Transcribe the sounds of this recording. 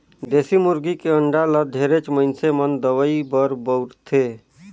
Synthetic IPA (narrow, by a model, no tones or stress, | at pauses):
d̪eːsimʊɾɡikeəɳɖalad̪ʱeːɾet͡ʃmənsemənd̪əʋəibəɾbəʊɾt̪ʰe